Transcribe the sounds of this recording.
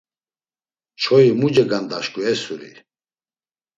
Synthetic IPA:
t͡ʃʰɔimud͡ʒɛɡand̪aʃkʼuɛsuɾḭ

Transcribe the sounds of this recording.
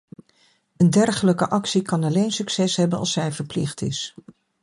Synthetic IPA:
əndɛɹχələkəʔɑksikɑnɑlejnsyksɛsɦɛbənɑ̰lˠsɛjvəɹplɪχtɪ̰s

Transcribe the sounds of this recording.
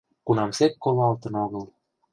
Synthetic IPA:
kunɑmsek̪̚koβɑlt̪ə̆noɣɤlˠ

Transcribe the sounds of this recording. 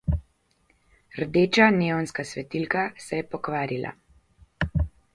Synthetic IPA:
ɾd̪eːt͡ʃaneːwnskasʋɛt̪ilkasɛjɛpɔkʋaːɾilʔa̰

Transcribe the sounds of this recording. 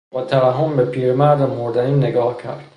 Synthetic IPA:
bæːt̪ʰæɾæɦombe̞pʰiːɾmæɾd̪emoɾd̪æniːne̞ɡɒːhcʰæ̰ɾd̪̥

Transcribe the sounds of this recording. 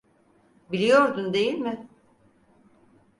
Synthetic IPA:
bilʲijo̞ɾd̪und̪e̞jilʲmɪ

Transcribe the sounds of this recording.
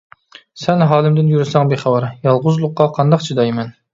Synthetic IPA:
sɛnɦɑːlˠɪmd̪ɪnjyɾɪsɛŋbeχɑwɑɾjɑlˠʁʊzlˠʊqːɑqʰɑnd̪ɑqd͡ʒʰid̪ɑjmɛn

